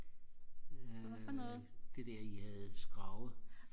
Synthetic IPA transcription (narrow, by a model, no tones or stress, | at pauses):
afɔnɔð̩ˠd̥e̝d̥æɐihæð̩ˠsɡ̥ʁɑ̈ʊð̩ˠ